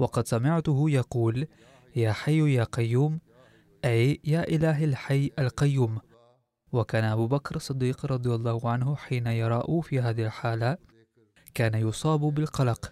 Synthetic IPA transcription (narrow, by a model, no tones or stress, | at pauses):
wɑqɑd̪samɪʕt̪ʊhʊjɑquːl | jaːħajːjaːqɑjːuːm | ʔajjaːʔɪlaːɦalħajːʔalqɑjːuːm | wakaːnaʔabuːbakɾɑsˤːɨd̪ːiːqɾˤɑd̪ˤɨjɑlˤːɑːhʊʕanhʊħiːnajɑɾˤɑːʔʊfiːɦaːðɪhɪlħaːla | kaːnajʊsˤɑːbʊbɪlqɑlɑq